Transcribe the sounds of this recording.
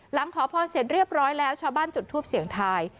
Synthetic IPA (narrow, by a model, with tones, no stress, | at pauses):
la˩˦ŋkʰɔː˩˦pʰɔː˧nse˨˩t̪̚ɾi˥˩əp̚ɾɔː˦˥jlɛː˦˥wt͡ɕʰaː˧wbaː˥˩nt͡ɕu˨˩t̪ʰːuː˥˩p̚si˨˩˦əŋt̪ʰaː˧j